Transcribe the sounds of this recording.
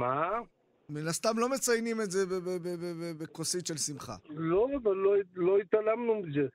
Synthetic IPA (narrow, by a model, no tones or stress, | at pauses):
ma | minast̪amlo̞me̞t͡sajnimezebebebebebebekosit̪ʃelsimχa̰loavaloloit̪alamnumize